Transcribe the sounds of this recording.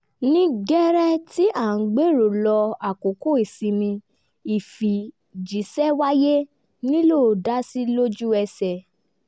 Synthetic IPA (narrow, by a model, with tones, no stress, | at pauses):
nĩ˦ɡɛ˦ɾɛ˦ti˦ʔa˦˨n̩˨ɡ͡be˦ɾo˨lɔ˧a˨ko˨ko˦i˨si˧mĩ˧ | i˨fi˨ | d͡ʒi˨˦sɛ˦wa˦je˦ | nĩ˦lo˦˨da˦si˦lo˦d͡ʒu˦ɛ˧sɛ˨